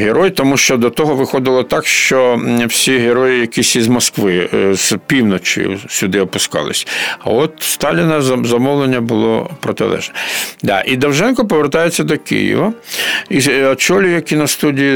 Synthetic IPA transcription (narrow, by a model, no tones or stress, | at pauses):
ɦeɾɔjt̪ɔmuʃt͡ʃɔd̪ɔt̪ɔɦɔʋɪxɔd̪ɪlˠɔt̪ɑkʃt͡ʃɔwsʲiɦeɾɔjɪjɐkʲisʲizmɔskʋɪzpʲiwnɔt͡ʃɪ̰jʊ̰sʲʊd̪ɪɔpʊskɑ̰lˠɪ̰sʲɐ̰ɔt̪st̪ɑlʲɪnɐzzɐmɔwlˠenʲːɐbʊlˠɔ̰pɾɔt̪ɪ̰lˠɛ̰ʒnɛd̪ɑ̰ʔid̪ɐwʒɛnkɔpɔʋert̪ɑjet͡sʲːɐd̪ɔkɪ̰jḭʋɐiɔt͡ʃɔlʲʊjɐkʲinɐst̪udʲiji